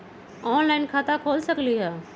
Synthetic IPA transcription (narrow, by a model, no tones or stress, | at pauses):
ɔːnlaːɪnkʰaːt̪akʰoːlsəkliɦɛː